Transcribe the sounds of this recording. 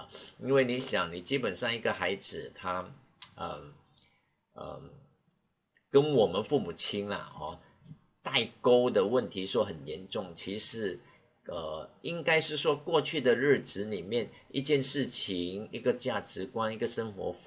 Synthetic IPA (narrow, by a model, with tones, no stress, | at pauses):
i˥nwe˥˩ɪni˧˥ɕjɑ˨˩˦ŋni˨˩t͡ɕi˥pə˨˩nʂɑ˥˧ŋi˧˥˩ɡə˨xa˧˥ɪt͡sɹɻ̩˨˩t̪ʰa˥ | ə̰˧˩ | kə˥nwɔ˨˩mə˦nfu˥˩mu˨˩t͡ɕʰi˥nlɐ̰˨˩xɑ̰˥˧ | t̪a˥˩ɪko˥ʊd̪ə˨wə˥˩nt̪ʰi˧˥ʂwɔ˥˩xə˨˩njɛ˧˥nʈ͡ʂʊ˥˩ŋt͡ɕʰi˧˥ʂɻ̩˧˥ | ʔə˨˩i˥ŋka˥ɪʂɻ̩˥˩ʂwɔ˥kwɔ˥˧t͡ɕʰy˥˩d̪ə˨ɻ̩˥˩ʈ͡ʂɻ̩˧˥ni˨˩mjɛ˥˩nḭ˥˧t͡ɕjɛ˥˧nʂɻ̩˥˩t͡ɕʰi˧˦ŋi˥ɡə˨t͡ɕja˥˩ʈ͡ʂɻ̩˧˥kwa˥ni˥ɡə˨ʂə˥ŋxwɔ̰˧˥